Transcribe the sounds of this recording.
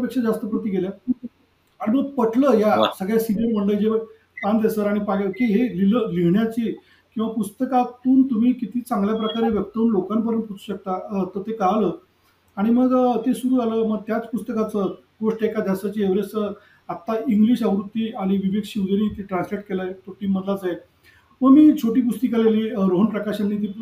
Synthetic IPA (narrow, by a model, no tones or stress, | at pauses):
pekʂad͡zast̪əpɾət̪iːɡelja | aɽ̃iməɡ̚pəʈʰləːjasəɡɭjasinəɾməɳɖəjd͡ʑeʋə | t̪and̪esəɾaɽ̃ipajkiɦeliləliɦɳjat͡ɕiː | kĩw̃ʋapust̪əkat̪uːnt̪um̤iːkit̪ʰiːt͡saŋɡljap̬ɾəkaɾeʋjəb̚t̪əunlokanpəɾənʈput͡su̥ːɕək̚t̪at̪ət̪ekəɦləː | aɽ̃iməɡt̪esuɾuːd͡zaləməɡ̚t̪jat͡spust̪əkat͡sə | ɡosʈekad̪ʱjasat͡ɕieʋɾesə | at̪aiŋɡliɕaʋɾut̪ːiːaɽ̃iʋiʋeɡɕiwd͡zəɾiːt̪iʈɾãnsleʈkelajt̪ʰoʈiːmːəd̪lat͡saɦe | məɡmiːt͡ɕʰoʈiːp̬ust̪ikəleliːɾoɦnpɾəkaɕanːit̪̬iː